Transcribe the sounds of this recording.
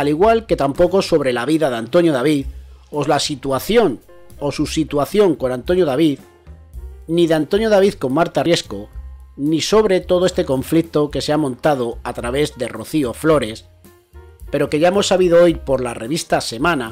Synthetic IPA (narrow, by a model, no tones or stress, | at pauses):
aliɣwalke̞t̪ampo̞ko̞so̞βɾe̞laβiðaðant̪o̞njoðaβiθo̞zlasit̪waθjo̞n | osusit̪waθjo̞ŋko̞nãnt̪o̞njoðaβið | niðeant̪o̞njoð̞aβ̞iθko̞mmaɾt̪arje̞skoniso̞βɾe̞t̪o̞ðoest̪e̞ko̞ɱflik̚t̪o̞ke̞seamõnt̪að̞o̞at̪ɾaβe̞zðe̞ro̞θioflo̞ɾe̞s | pe̞ɾo̞ke̞ʝaemo̞sːaβiðoojpo̞ɾlare̞β̞ist̪ase̞mãna